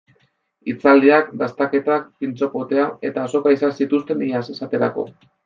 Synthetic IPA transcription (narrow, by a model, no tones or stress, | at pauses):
it͡sald̪iakd̪ast̪ake̞t̪ak̚pint͡so̞po̞t̪e̞ae̞t̪aːso̞kaisansit̪ust̪e̞niase̞sat̪e̞ɾa̰ko̞̰